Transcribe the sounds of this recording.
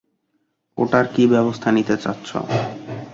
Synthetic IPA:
oʈaɾkibɛbost̪ʰanit̪et͡ɕatːɕʰo̰

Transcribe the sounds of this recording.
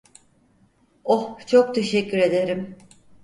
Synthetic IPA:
oht͡ʃʰok̚t̪ʰe̞ʃɛcʲːyɾe̞d̪e̞ɾim

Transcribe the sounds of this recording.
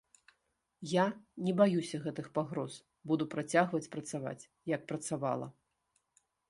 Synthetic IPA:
janʲɛbajusʲɐɣɛt̪ɨxpaɣɾɔz | bud̪upɾat͡sʲaɣvɐt͡sʲpɾɐt̪sava̰t͡sʲ | jɐk̚pɾɐt̪sava̰lˠɐ̰

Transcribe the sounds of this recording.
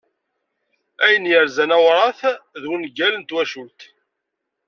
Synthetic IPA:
æjənjəɾzænæwɾˤɑθðwənɡælənt̪wæʃult̪

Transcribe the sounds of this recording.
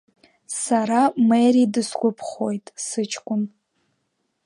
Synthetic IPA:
saɾameridɨskʷʼʊpʰχojtʼsɨt͡ʃʰʼkʷʼʊn

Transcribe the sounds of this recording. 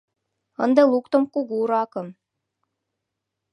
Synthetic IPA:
ɤ̆nd̪ɤlˠukt̪ŏmkuɡuɾɑkɤ̆m

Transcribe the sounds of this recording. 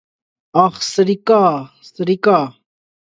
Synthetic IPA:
ɑχsɾɪkaː | sɾɪkaː

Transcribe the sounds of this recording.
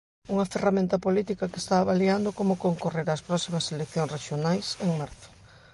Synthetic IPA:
uŋɐferamẽnt̪ɐpolit̪ikɐkest̪aːβaliand̪okomʊkoŋkoreɾɐspɾɔsimɐselekθjoŋsreʃjonajseŋmaɾθʊ̥

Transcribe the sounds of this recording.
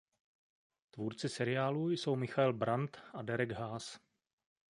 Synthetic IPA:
t̪vuːɾt͡sɪsɛɾɪaːlujsowmɪxaɛlbɾant̪ʔadɛɾɛɡɦaːs

